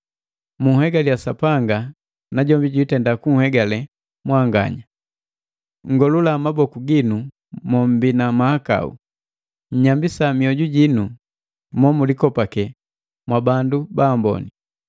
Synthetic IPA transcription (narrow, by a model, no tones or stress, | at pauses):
muhɛɡaliasapaŋɡa | naɟɔmbiɟuitɛndakuŋ̩hɛɡalɛ | mwaŋɡa̰ɲa | ŋ̩ɡɔlulamabɔkuɡinu | mɔm̩binamahaka̰ṵ | ɲ̩ɲambisamiɔɟuɟinu | mɔmulikɔpakɛ | mwabandubaːmbɔ̰ni